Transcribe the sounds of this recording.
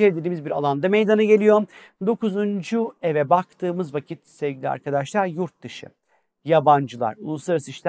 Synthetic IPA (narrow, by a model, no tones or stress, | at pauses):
eled̪ʲed̪iːmizbiɾa̰lˠand̪amejd̪anɯɟe̞lʲijo̞ | d̪o̞kuzund͡ʒuevɛbakt̪ʰɯːmɯzvacʰit̪sɛvɟilʲia̰ɾkʰad̪aʃlˠaɾjuɾt̪̚d̪ɯʃɯ̰ | jaband͡ʒɯlˠa̰ɾulˠuslˠaɾasɯiʃlʲ